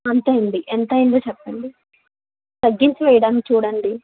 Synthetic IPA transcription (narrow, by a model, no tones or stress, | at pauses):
ɐnt̪eːjɐɳɖiʔent̪ɐjind̪oːt͡ʃɛpːɐɳɖi | t̪ɐɡːiɲt͡ʃiʋɛːjɐɽaːnkit͡ʃuːɽɐɳɖi